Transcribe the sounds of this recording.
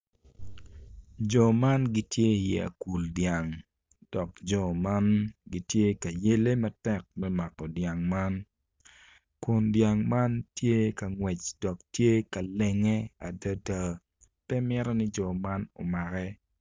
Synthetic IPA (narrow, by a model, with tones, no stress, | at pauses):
d͡ʒɔ˨ma˦nɡi˦tje˦jɛ˨a̰˨ku˨ldja˨ŋ | d̥ɔ˨kd͡ʒɔ˨ma˦nɡi˦tje˦ka˨je˦le˦mɐ˦tɛ˦k̚mɛ˦ma˨kːɔ˨dja˨ŋma˦n | ku˨ndja˨ŋma˦ntje˦ka˨ŋwɛ˨t͡ʃd̥ɔ˨k̚tje˦ka˨lɛ˨ŋɛ˦a˨də˦ta˦ | pɛ˦mɛ˦ɾɔ˦nɪ˦d͡ʒɔ˨ma˦nɔ̰˨ma˨kɛ˦